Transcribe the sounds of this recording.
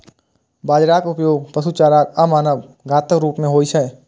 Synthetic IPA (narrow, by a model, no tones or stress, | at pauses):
baːd͡ʒɾaːkʊpjoːɡ̚pəsuːt͡ʃaːɾaːkɐmaːnəʋ | ɡʱaːt̪əkɾuːpmẽɦoːiʃʰɛ